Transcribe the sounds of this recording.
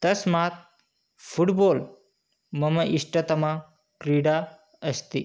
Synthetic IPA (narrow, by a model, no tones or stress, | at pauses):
t̪əsmat̪̚ | fuʈbol | məməʔiʂʈət̪ɐma | kɾiɽa | əst̪i